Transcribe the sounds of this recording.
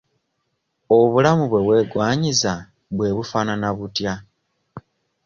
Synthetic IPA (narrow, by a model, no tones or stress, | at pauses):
oβulamuβwe̞βwe̞ːɡwaːɲiza | βwe̞ːβufaːnanaβutja